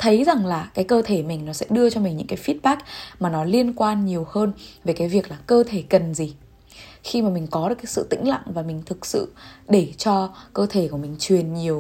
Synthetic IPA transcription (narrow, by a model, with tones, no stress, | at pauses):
t̪ʰə˨˦jza˨˩ŋlaː˨˩kaː˨˦jkəː˧t̪ʰe˧˩mï˨˩ŋ̟nɔ˨˦sɛ̰˧˥ɗɨ˧ət͡ɕɔ˧mi˨˩ŋ̟ɲɨ̰˧˥ŋkaː˨˦jfi˦˥t̚ɓaː˦˥k̚maː˨˩nɔ˨˦li˧ənkwaː˧nɲi˨˩əwhəː˧nve˨˩kaː˨˦jvi˨˩ək̚laː˨˩kəː˧t̪ʰe˧˩kə˨˩nzi˨˩ | xi˧maː˨˩mi˨˩ŋ̟kɔ˨˦ɗɨ˨˩kaː˨˦sɨ̰˧˨t̪ï˧˥ŋ̟la̰˧˨ŋvaː˨˩mï˨˩ŋ̟t̪ʰɨ˨˩k̚sɨ̰˧˨ɗe˧˩t͡ɕɔ˧kəː˧t̪ʰe˧˩ku˧˩əmï˨˩ŋ̟t͡ɕwi˨˩ənɲi˨˩əw